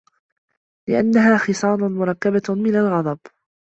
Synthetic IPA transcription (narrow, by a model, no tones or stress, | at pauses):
lɪʔa̰nːaɦaːxɨsˤɑːnˤʊmʊɾˤɑkːabamɪnalɣɑd̪ˤɑb